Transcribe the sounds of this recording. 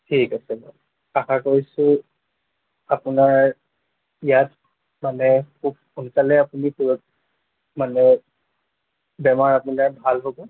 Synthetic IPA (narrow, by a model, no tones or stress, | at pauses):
tʰikasɛlɔ | axakoɹisʊ̃ | apʊnaɹ | ijat | manɛkʰub̚ | untalɛapunikuɹɔt̚ | manɛ | bɛmaɹapunaɹbʱalɦobɔ